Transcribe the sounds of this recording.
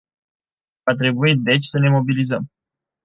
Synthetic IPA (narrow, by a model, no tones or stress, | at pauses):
vat̪ɾe̞buit̪̚d̪e̞t͡ʃʲsəne̞mo̞bilizəm